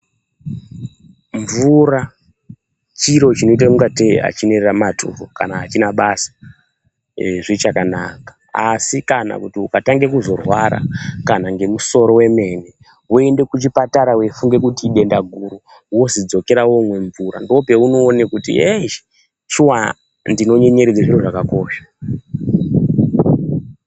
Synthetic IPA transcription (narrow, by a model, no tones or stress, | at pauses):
ɱvuɾa | t͡ʃiɾo̞t͡ʃino̞it̬akuŋɡatḛa̰t͡ʃinereramatʰṵrokanaːt͡ʃinaɓasḁ | ʐit͡ʃakanakḁ | asikana̰kutiukataŋɡe̞kuzo̞rwaɾa̰kanaŋɡe̞muso̞ɾo̞we̞me̞ːne | woende̞kut͡ʃipataɾawefuŋɡe̞kutiɗe̞ndaɡʱuɾu | wo̞zid͡zo̞ke̞ɾawomwe̞ɱvuɾa̰ndo̞pe̞uno̞ːnekutḭe | t͡ʃuwa | ndino̞ɲe̞ɲe̞ɾed͡zaʐiroʐakakoːʃḁ